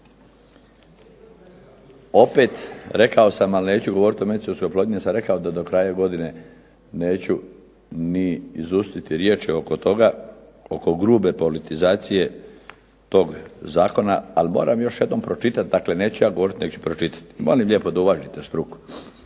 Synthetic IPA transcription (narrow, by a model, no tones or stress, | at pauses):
o̞pe̞t̪ɾe̞kao̞samalne̞ːt͡ɕuɡo̞ʋo̞ɾit̪omeit̪siolskojploːd̪inisamɾe̞kaod̪ad̪o̞kɾaːjaɡo̞d̪ine̞ | ne̞ːt͡ɕu | niːzust̪it̪iɾjeːt͡ʃiokot̪o̞ɡa | oko̞ɡɾuːbe̞po̞lit̪izaːt̪sije̞ | t̪o̞ːɡzaːko̞naa̰limo̞̰ːɾamjo̞ʃjed̪no̞mpɾo̞t͡ʃit̪at̪̚d̪akle̞ne̞ːt͡ɕujaːɡo̞ʋo̞ɾit̪nekt͡ɕu̥pɾot͡ʃit̪ḁt̪mo̞limʎʲje̞ːpo̞d̪auʋaʒit̪est̪ɾuku̥